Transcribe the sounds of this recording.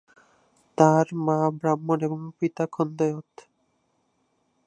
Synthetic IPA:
t̪aɾmabɾamːoneboŋpit̪akʰɔnd̪ojot̪

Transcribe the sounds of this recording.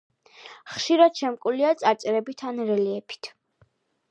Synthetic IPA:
χʃiɾad̪̥ʃɛmkʼuliat̪sʼat̪sʼɾɛbit̪ʰanɾɛliɛpʰi̥t̪ʰ

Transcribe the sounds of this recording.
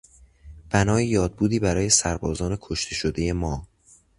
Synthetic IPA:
b̥ænɒːjejɒːd̪̚buːd̪iːbæɾɒːje̞sæɾbɒːzɒːne̞kʰoʃt̪ʰe̞ʃod̪e̞je̞mɒː

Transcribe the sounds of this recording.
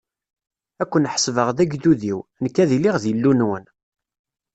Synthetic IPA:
ækʷːənħə̥svəʁðæɡd̪uðiwnəkːæðiliʁðjəlːunwən

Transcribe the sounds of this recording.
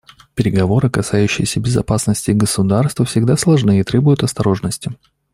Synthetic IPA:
pʲɪɾʲɪɡɐvo̞ɾɨkɐsajʉɕːɪjɪsʲəbʲɪzɐ̰pasnəsʲtʲɪɡəsʊd̪arst̪vəfsʲɪɡd̪aslˠɐʐnɨɪt̪ɾʲebʊjʊt̪ɐst̪ɐɾo̞ʐnəsʲtʲɪ

